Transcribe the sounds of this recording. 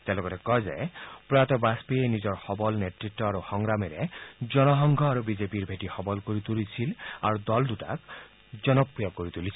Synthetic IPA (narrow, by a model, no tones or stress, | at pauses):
t̪ealɔɡɔɾɔkɔɦjza̰jpɾɔjat̪ɔbaspienizɔɹhɔbɔlneʈɾitːɔaɾuxɔŋɾamɛɾed͡ʒɔnɔɦɔŋɡʱɔaɾubizepiɾbʱeʈixɔbɔlkoɾit̪ulit͡ʃʰilaɾud̪ɔld̪uʈa̰k | d͡ʒɔnɔpɾijɔɡkːoɾit̪ulisʰi